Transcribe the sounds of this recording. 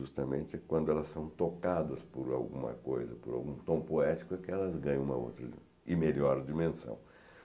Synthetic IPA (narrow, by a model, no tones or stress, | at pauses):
ʒust̪ɐmḛ̃nt͡ʃɪɛkwɐ̃nd̪ʊɛlɐssɐ̃w̃t̪okad̪ɐspoɾa̰wɡũmɐ̰kojzɐpʊɾa̰wɡũt̪õw̃poɛt͡ʃi̥kʊɛkɪɛlɐzɡɐ̃ɲɐ̃ũmɐ̰o̰wt̪ɾɐd͡ʒḭ | ɪmeʎɔɾd͡ʒimẽsɐ̰̃w̃